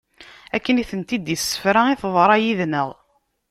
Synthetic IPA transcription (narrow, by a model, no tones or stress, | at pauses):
ækːəniθənt̪id̪jəsːə̥fɾæiθðˤɾˤɑjiðnəʁ